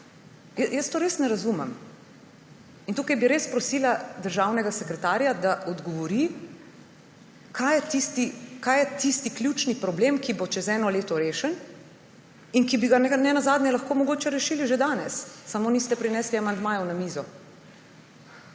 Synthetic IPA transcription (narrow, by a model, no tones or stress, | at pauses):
jjəst̪oːɾesnɛɾazumɛm | int̪uːkajbiɾespɾɔsiːlad̪əɾʒawnɛɡasɛkɾɛt̪aːɾjad̪aʔɔd̪ɡɔʋɔɾi | kʰajɛt̪ist̪ikajɛt̪ist̪iklʲjut͡ʃnipɾɔblemkibot͡ʃɛzɛːnɔleːt̪ɔɾeːʃɛn | inkibiɡanɛnɛnazaːd̪nʲjɛlaxkoːmɔɡoːt͡ʃɛɾɛʃiːliʒed̪aːnɛsːamonist̪ɛpɾinɛːsliamand̪maːjɛwnamizɔ